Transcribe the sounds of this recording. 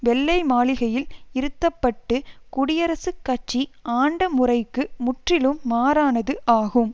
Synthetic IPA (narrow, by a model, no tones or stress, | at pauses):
ʋɛlːɐɪmaːlɪɣɐjɪlɪɾɯt̪ːɐpːɐʈːɯkʊɽɪjɐɾɐsɯkːɐt͡ʃːiʔaːɳɖɐmʊrɐɪkːɯmʊʈrɪlɯmːaːɾaːnɐðɯʔaːɣɯm